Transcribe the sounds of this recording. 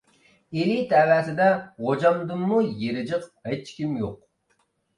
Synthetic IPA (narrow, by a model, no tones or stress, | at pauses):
ilit̪ʰæwæːt̪ʰɪd̪ɛʁod͡ʒɑmd̪ɨmːujeɾɪd͡ʒɨqɛt͡ʃkʲimjoq̚